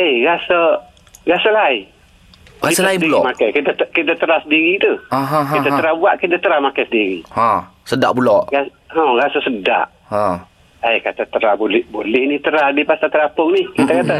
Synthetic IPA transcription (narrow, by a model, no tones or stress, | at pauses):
ejɣasə | ɣasəlai | aitəlaiulɔmakajkit̪at̪kit̪at̪əɾasədiɾit̪uaɦɦit̪at̪əɾabuaʔkit̪at̪əɾamakajsədiɾḭhãsəda̰ʔbulɔʔa | hɔ̃ɾasəsəda̰ʔ | hã | əjkat̪at̪əɾabolɛbolɛhnit̪əɾadipasat̪əɾapʊŋnɪhkit̪akat̪a